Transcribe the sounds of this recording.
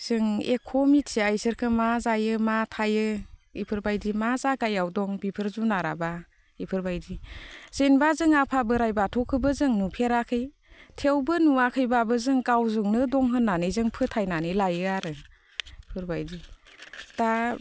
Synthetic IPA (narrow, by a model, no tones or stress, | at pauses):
z̥ɯŋekʰɔmitsiajsɯɾkʰɯmazajɯmatʰajɯḭpʰɯɾbajdimazaɡajawdɔŋbipʰɯɾzunaɾa̰ba | ipʰɯɾbajdiz̥enbazɯŋapʰabɯɾajbatʰɔkʰɯbɯzɯŋnupʰeɾakʰɯj | tʰewbɯnuakʰɯjbabɯzɯŋɡawzuŋnɯdɔŋɦɯnːanɯjzɯŋpʰɯtʰajnanɯjlajɯaɾɯ | ipʰɯɾbajdi | ta